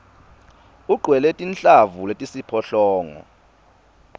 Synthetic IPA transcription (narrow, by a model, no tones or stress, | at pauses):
uɡ͡ǃʱwɛletʼint͡ɬʼavuletʼisipʰɔɬɔːŋɔ̰